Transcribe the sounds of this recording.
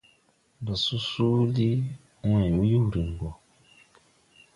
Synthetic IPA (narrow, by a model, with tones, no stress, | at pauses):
ba˨su˦su˦li˦ | u˦ã˨wu˦ju˦˨ɾi˨ŋ˨ɡɔ˨